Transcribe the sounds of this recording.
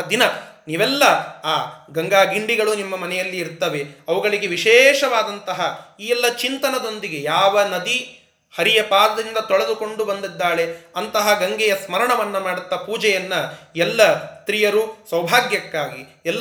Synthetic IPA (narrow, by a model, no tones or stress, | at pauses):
ɐd̪inɐniːʋɛlːɐaːɡɐŋɡaːɡiɳɖiɡɐɭunimːɐmɐnɛjɐlːiːɾt̪ːɐʋe̞ɐʋuɡɐɭiɡe̞ʋiʃɛːʃɐʋaːd̪ɐnt̪ɐɦɐiːɛlːɐt͡ʃint̪ɐnɐd̪o̞nd̪iɡe̞jaːʋɐnɐd̪i | hɐɾijɐpaːd̪ɐd̪ind̪ɐt̪ɔɭed̪uko̞ɳɖubɐnd̪id̪ːaːɭe̞ɐnt̪ɐɦɐɡɐŋɡɛjɐsmɐɾɐɳɐʋɐnːɐmaːɽut̪ːɐpuːd͡ʒɛjɐnːɐɛlːɐst̪ɾijɐɾusʋɐwbʱaːɡjɐkːaːɡi | ɛlː